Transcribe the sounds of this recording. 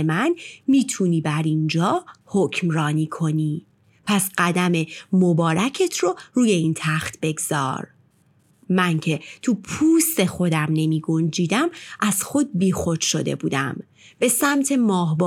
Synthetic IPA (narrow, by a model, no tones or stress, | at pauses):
mænmiːt̪ʰuːniːbæɾind͡ʒɒːhocʰmrɒːniːkʰo̞niː | pʰæsɢæd̪æme̞mo̞bɒːɾæcʰe̞t̪ʰroɾuːje̞int̪ʰæxt̪ʰbe̞ɡz̥ɒ̰ːɾ | mæncʰe̞t̪ʰupʰuːst̪e̞xo̞d̪æmne̞miːɡo̞nd͡ʒiːd̪æmʔæz̥xo̞d̪̚biːxo̞d͡ʒʃo̞d̪e̞̰buːd̪æ̰m | b̥e̞sæmt̪ʰe̞mɒːɦb